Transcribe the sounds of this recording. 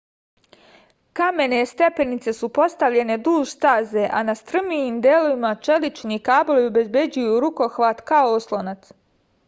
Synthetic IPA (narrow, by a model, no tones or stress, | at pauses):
kame̞ne̞st̪e̞pe̞nit̪se̞supo̞st̪aʋʎe̞ne̞d̪uːʒst̪aːzeʔanast̪r̩mijiːmd̪eːlo̞ʋimat͡ʃe̞lit͡ʃnikaːboliobe̞zbe̞d͡ʑujuɾuko̞xʋaːt̪kaooslˠonat̪s